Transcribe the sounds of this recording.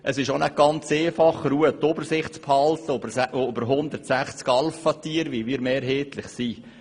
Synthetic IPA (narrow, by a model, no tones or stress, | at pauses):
ʔəsɪʃonæk̚ɡ̥ɑnt͡seːfɑχɾuət̪ːʊbəɾsɪχtt͡sphɑlt̪əbʔobəɾɦʊnd̪əɾtsæχt͡skɑlfɑt̪iːəɾʋiʋiːɾmeːɾɦeːt̪lɪχsiː